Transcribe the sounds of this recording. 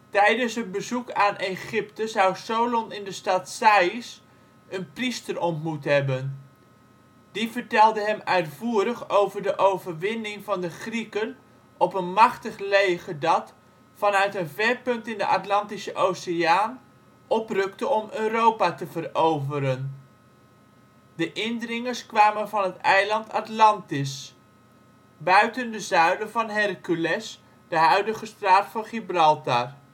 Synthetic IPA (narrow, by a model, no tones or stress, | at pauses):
tɛjdənsɦəd̚bəzukaːnʔeχɪptəzɑwsowlɔnɪndəstɑtsais | ənpristərɔntmutɦɛbən | d̥ivəɹtɛlˠdəɦɛmœɥtfuːəɾəχowvəɹdəʔowvəɹʋɪnɪŋvɑndəχrikən | ʔɔpənmɑχtəχlejχədɑt | fɑnœɥtənvɛɹpɵntɪndəʔatlɑntisəʔowseaːn | ʔɔprɵktəɔmøːrowpatəvərowvəɾən | dəʔɪndrɪŋəɹskʋaːmənvɑnɦətɛjlɑntatlɑntɪs | bœɥtəndəzœɥdəvɑnɦɛrkylɛs | d̥əɦœɥdəχəstraːtfɑnχibrɑlˠtar